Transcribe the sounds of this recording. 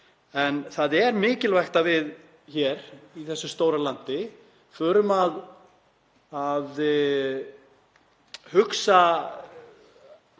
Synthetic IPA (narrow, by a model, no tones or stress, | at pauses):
ɛnθaðɛɾmɪːcɪlvaxt̪avɪð | çɛɾiθɛsːʏst̪oːwɾalant̪ɪ | fʏːɾʏmað | avɪ | hʏksa